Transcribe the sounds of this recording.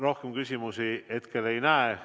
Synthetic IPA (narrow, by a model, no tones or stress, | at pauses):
ro̞hkemkysʲimusie̞t̪ke̞le̞jnæe